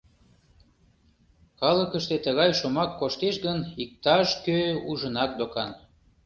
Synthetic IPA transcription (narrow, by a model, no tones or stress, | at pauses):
kɑləkəʃt̪et̪əɣɑjʃomɑkːoʃt̪eʃɣənik̚t̪ɑʃkøuʒənɑk̚d̪okɑn